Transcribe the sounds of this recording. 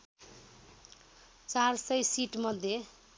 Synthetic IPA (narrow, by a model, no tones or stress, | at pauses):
t͡sarsʌjsiʈmʌd̪ʱje